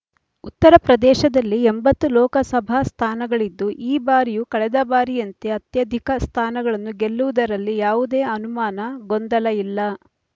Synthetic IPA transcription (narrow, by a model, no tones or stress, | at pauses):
ut̪ːɐɾɐpɾɐd̪ɛːʃɐd̪ɐlːiembɐt̪ːulɔːkɐsɐbʱaːst̪ʰaːnɐɡɐɭid̪ːuʔiːbaːɾijukɐɭɛd̪ɐbaːɾijɐnt̪eɐt̪jɐd̪ʱikɐst̪ʰaːnɐɡɐɭɐnːuɡe̞lːuʋud̪ɐɾɐlːijaːʋud̪e̞ːɐnumaːnɐɡond̪ɐlɐilːɐ